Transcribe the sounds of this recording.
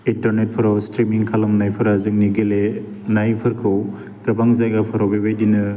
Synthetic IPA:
intɐɾnet̚pʰɯɾawstɾimiŋkʰalɯmnajpʰɯɾazɯŋniɡele | najpʰɯɾkʰɯw | ɡɐbaŋzajɡapʰɯɾawbebajdinɯ

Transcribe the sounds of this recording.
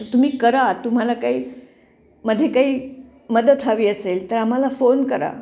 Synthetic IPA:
t̪əɾt̪um̤iːkəɾat̪um̤alakaiː | məd̪ʱːjekaɦiː | məd̪ət̪ʰaʋiːəselt̪əɾam̤alafonkəɾa̰

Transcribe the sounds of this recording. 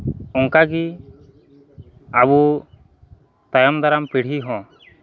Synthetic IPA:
ɔŋkaɡi | abu | t̪ajɔmd̪aɾampiɽ̤iɦɔ̃

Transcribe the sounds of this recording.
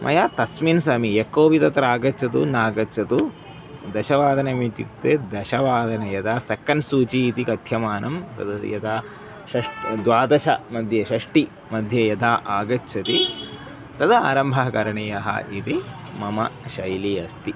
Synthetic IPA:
mʔɐ̰jaːt̪ɐsminsɐmijekːoːʋit̪ɐt̪ɾaːɡɐt͡ʃʰɐt̪ṵnaːɡɐt͡ʃʰɐt̪u | d̪ɐʃɐʋaːd̪ʱɐnemit̪ḭt̪ːeːd̪ɐʃɐʋaːd̪ʱɐnɐjɐd̪aːsɐkːɐnsuːt͡ʃiːt̪ikɐt̪ʰjɐmaːnɐmt̪ɐ̰d̪ɐjɐ̰d̪aː | ʃɐʂʈd̪ʋaːd̪ɐʃɐ̰mɐd̪ʱjɐʃɐʂʈi | mɐd̪ʱjɐjɐd̪ʰʱaːʔaːɡɐtːt͡ʃʰɐt̪i | t̪ɐt̪ɐa̰ːɾɐmbʱɐɦɐkɐɾɐɳɐjɐɦɐ̰ʔit̪i | mɐmɐ̰ʃɐjliɐst̪i

